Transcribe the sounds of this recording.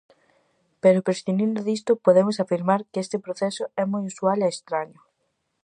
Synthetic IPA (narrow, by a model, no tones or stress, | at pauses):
peɾʊpɾesθinind̪ʊðist̪ʊpoðemʊs̬afiɾmaɾkest̪ɪpɾoθɛsʊɛmojusualeːst̪ɾaɲo